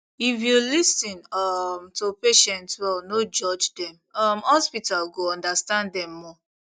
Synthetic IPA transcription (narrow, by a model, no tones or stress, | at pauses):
ifjulisĩnɔmtopeʃɛ̃ntswɛlnod͡ʒɔd͡ʒdɛ̃m | ɔmhɔspitalɡoɔ̃ndastãndɛ̃mːɔ